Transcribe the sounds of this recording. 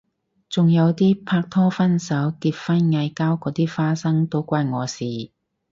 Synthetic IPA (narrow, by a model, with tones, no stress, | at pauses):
t͡sʊ˨ŋjɐ˨˧wt̪iː˥pʰaː˧k̚t̪ʰɔː˥fɐ˥nsɐ˨˥wkiː˧p̚fɐ˥nŋɐ˧jkaː˥wkɔː˨˥t̪iː˥faː˥sɐ˥ŋt̪o˥wkʷaː˧˥jŋɔː˨˧siː˨˩